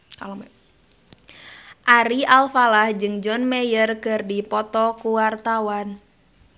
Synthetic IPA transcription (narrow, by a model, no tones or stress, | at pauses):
kal | ʔaɾialfalahd͡ʒɨŋd͡ʒɔnmɛjərkɨrdipɔt̪ɔkuwart̪awan